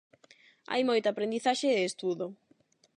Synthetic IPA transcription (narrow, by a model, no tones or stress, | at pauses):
a̰jmojt̪ʊapɾend̪iθaʃɪːst̪uðo